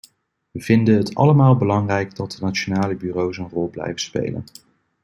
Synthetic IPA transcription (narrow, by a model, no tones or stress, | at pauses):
ʋəv̥ɪndənɦətɑ̰ləmaːlˠbəlɑŋrɛjɡdɑt̚dənat͡ʃonaːləbyːrowsənrɔlˠblɛ̰jvənspḛjlə̰n